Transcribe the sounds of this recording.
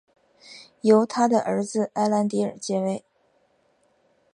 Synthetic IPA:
jo˧˥ʊt̪ʰa˥d̪ə˨ʔə˧˥d͡zɹ̩˧ʔa˥ɪla˧˥nt̪i˧˥ə̰˞˨˩t͡ɕjɛ˥we˥˩ɪ

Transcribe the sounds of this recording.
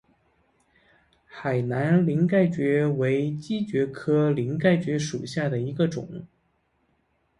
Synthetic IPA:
xa˨˩ɪna˧˥nli˧˥ŋka˥˩ɪt͡ɕɥɛ˧˥we˧˥ɪt͡ɕi˥t͡ɕɥɛ˧˥kʰɤ˥li˧˥ŋka˥˩ɪt͡ɕɥɛ˧˥ʂu˨˩ɕja˥˩d̪ə˩i˧˥ɡə˧ʈ͡ʂʊ̰˨˩˦ŋ

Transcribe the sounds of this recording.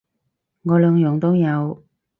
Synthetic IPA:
ŋɔː˨˧lœː˨˧ŋjɔː˨˥ŋt̪o˥wjɐ˨˧w

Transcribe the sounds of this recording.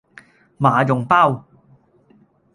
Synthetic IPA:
maː˨˦jʊ˨˩ŋpa˥˨w

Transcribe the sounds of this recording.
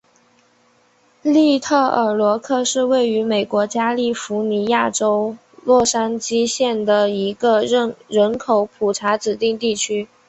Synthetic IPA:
li˥˧t̪ʰɤ˥˩ə˞˨˩lwɔ˧˥kʰɤ˥˧ʂɻ̩˥˧we˥˩ɪy˧˥me˨˩ɪkwɔ˧˥t͡ɕja˥li˥˩fu˧˥ni˧˥ja˥˩ʈ͡ʂo˥ʊ | lwɔ˥˩ʂa˥nt͡ɕi˥ɕjɛ˥˩nd̪ə˩i˧˥ɡə˧ɻə˥˩ɻə˧˥nkʰo˧˥ʊpʰu˨˩ʈ͡ʂʰa˧˥ʈ͡ʂɻ̩˨˩t̪i˥˧ŋt̪i˥˩t͡ɕʰy˥

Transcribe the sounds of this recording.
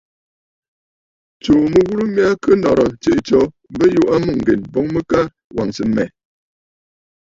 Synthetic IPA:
t͡ʃo˨mə˨ɣu˦ɾu˦mi˦a˦kə˦nɔ˨ɾɔ˨t͡ʃe˨ʔt͡ʃɔ˦ | bə˦ju˦ʔa˦mu˦˨ŋ̩˨ɡḛ˨nbo˨˦ŋmə˦ka˦ | wʔa˨ŋsə˨mɛ̰˨

